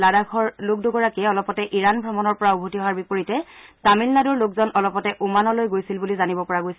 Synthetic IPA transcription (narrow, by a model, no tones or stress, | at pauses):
ladakʰɔɹlʊk̚doɡɔɹakiɛɔlɔpɔtɛʔiɹanbʱɹɔmɔnɔɹpɔɹaubʱotiɦɔwaɹbipoɹitɛtamilnaduɹlʊkzɔnɔlɔpɔtɛʔumanɔlojɡojsilbulizanibɔpɔɹaɡojs